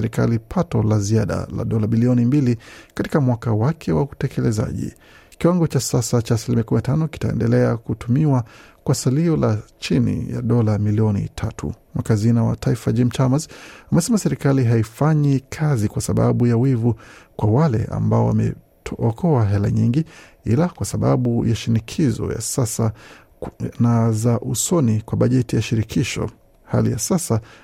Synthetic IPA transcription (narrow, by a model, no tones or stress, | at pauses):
ɛɾika̰lipʰatɔlaziaɗa̰la̰ɗɔlaɓiliɔnimbilikati̥kamwakawakʰɛwautɛkɛlɛza̰ʄḭ | kiwaŋɡɔt͡ʃasasat͡ʃaːsilimiakuminatanɔki̥taɛ̰ndɛlɛakutumiwakwasaliɔlat͡ʃinḭja̰ɗɔlamiliɔnḭtʰatʰṵmakazinawa̰tʰaifad͡ʒimt͡ʃamazamɛsɛmasɛɾikaliɦaifaɲikʰazikwasaɓa̰ɓujawivukwawalɛ̰ʔa̰mbaɔwa̰mɛ̰ | ɔkʰɔaɦɛla̰ɲiŋɡi | ilakwasaɓaɓujaʃinikʰizɔ̰ja̰sasa | nazaʔusɔnikwaɓaʄɛtijaʃiɾikʰiʃɔ̰ | ha̰lḭja̰sasa